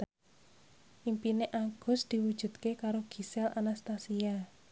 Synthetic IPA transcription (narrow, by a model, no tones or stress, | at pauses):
ʔimpineʔaɡ̥ʊ̤sd̪̥i̤wud̥ʒ̥ṳd̪̥̚kekaɾoɡ̥i̤sɛla̰nast̪asia